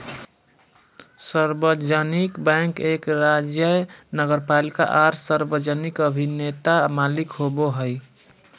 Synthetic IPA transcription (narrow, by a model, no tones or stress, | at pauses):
səɾbəd͡ʒənikbɛ̃ŋkekɾad͡ʒjənəɡəɾpalika̰ʔaɾsəɾbəd͡ʒənikəbʱinet̪amalikɦoboɦəj